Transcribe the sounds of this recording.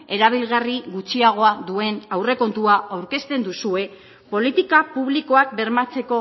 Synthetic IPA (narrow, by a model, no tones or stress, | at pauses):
e̞ɾaβ̞ilɣariɣut͡ʃiaɣ̞o̞aðue̞nawre̞ko̞nt̪uaawɾke̞st̪e̞nd̪usue̞ | po̞lit̪ikapuβliko̞ak̚be̞ɾmat͡se̞ko̞